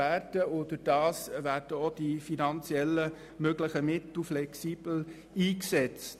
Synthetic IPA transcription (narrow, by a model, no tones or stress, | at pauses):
æːrd̥əʊdəd̥ɑːsvæːɾd̥əod̥ifinɑnt͡sjɛlːə | møɡləχəmɪt̪l̩flɛksiːb̥l̩ | iːksɛt͡st